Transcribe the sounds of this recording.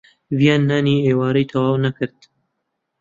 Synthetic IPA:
vijɑːnːaːniːeːwɑːɾijt̪ʰɐwɑːwnakɨɾd̪

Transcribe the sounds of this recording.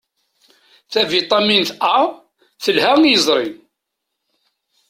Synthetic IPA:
θævit̪ˤɑminθɑˤ | θəlhæŋjəzˤɾˤin

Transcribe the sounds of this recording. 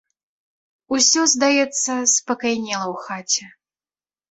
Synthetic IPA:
usʲɔzd̪ajɛt̪sːɐspɐkajnʲɛlˠɐwxat͡sʲɛ

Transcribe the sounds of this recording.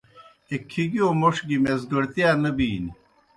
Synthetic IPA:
ekʰːiɡiomoʂɡimezɡɐɾt̪ijaːnɐbiːni

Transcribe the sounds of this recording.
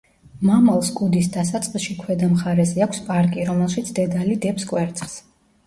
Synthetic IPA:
mamalˠskʼud̪isd̪asat̪sʼqʼiʃikʰwɛd̪amχaɾɛzɛakʷʰspʼaɾkʼiɾɔmɛlˠʃit̪sʰd̪̥ɛd̪alid̪ɛpskʼwɛɾt̪sʼχs

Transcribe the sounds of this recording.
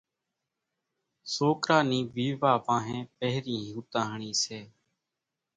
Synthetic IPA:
soːkɾaːniːʋiːʋaːʋãːɦẽːpəɦɾĩːɦuːt̪ãːɦɳiːseː

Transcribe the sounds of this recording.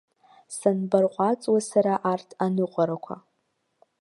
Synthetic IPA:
sanbarqʷʼat͡sʼwasaɾaʔartʰanɨqʷʼaɾakʷʰa̰

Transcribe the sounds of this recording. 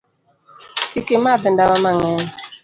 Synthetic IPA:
kikemadɨndawamaŋɛŋ

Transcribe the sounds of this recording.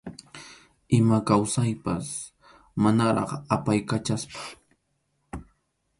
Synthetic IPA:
ɪmakawsajpas | manaɾɑ̰χapajkat͡ʃaspḁ

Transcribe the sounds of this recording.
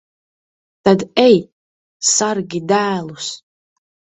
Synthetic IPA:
t̪ad̪ɛj | sarɡʲid̪æːlˠus

